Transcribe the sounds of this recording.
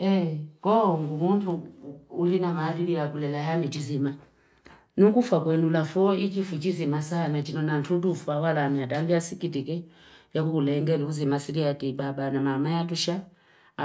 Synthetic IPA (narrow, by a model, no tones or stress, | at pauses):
ɛkɔŋɡumuntuː | linamaːdilijakulɛlajamit͡ʃizima | nukufwakwɛnulafɔit͡ʃifut͡ʃizimasanat͡ʃinɔnantʰut̬ufuawalamiataŋɡiasikitikɛjakukulɛŋɡɛliuzimasiɾiatiɓaɓanamamajatuʃa